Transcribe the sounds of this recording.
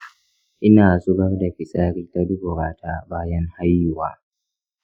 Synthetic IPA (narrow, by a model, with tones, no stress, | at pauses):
ʔɪ˦naː˨sʼʊ˦ɽɐ˦rda˨ɸɪ˨sʼaː˦ɽi˦ta˦dʊ˦ɡoː˨ɾaː˦tʰaː˦baː˦jɐ˦ŋha˦jːʊ˨waː˦